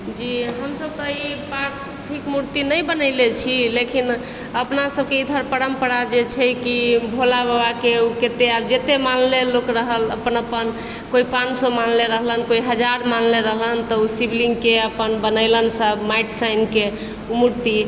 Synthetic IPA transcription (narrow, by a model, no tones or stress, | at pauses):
d͡ʒiɦəmsəb̚t̪ɔipaɾ | t̪ʰikmuɾt̪inəjbənəɪlet͡ʃʰilekin | əpnasəb̚keid̪ʱəɾpəɾəmpəɾad͡ʒet͡ʃʰɛkibʱolabəbakeuket̪eabd͡ʒet̪emanlelokɾəɦələpənəpən | koipãnt͡ʃsɔmanleɾəɦlənkoiɦəd͡ʒaɾmanleɾəɦlənt̪ɔusibliŋɡkeəpənbənəɪlənsəbmaiʈsajnke | muɾt̪i